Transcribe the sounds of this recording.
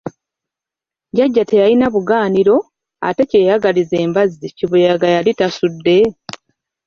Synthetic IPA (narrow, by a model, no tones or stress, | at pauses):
ɟaɟːate̞jajinaβuɡaːniɾo̞ | a̰te̞ce̞ːjaɡalize̞ːmbaziciβujaɡajalitasudːe̞